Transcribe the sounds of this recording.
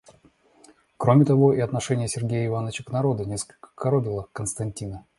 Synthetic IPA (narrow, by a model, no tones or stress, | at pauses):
kɾo̞mʲɪt̪ɐvo̞ʔiɐt̪nɐʂɛnʲɪjəsʲɪrɡʲejəɪvanət͡ɕəknɐɾo̞d̪ənʲeskə̥lʲkə̥kɐɾobʲɪlˠəkənst̪ɐnʲtʲinə